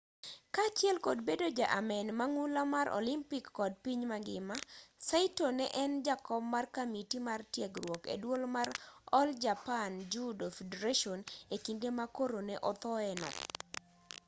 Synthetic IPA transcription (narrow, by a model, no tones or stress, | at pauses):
kat͡ʃjɛlkɔdbedod͡ʒaʔamɛnmaŋulamaɾʔo̰limpikːɔd̚piɲmaɡɪmasaɪtonɛʔɛnd͡ʒakɔbmarkamitimartjɛɡrwɔkḛdwolmaɾɔld͡ʒapand͡ʒudofedeɾaʃɔnekindemakoɾonɛʔɔt̪ɔɛnɔ̰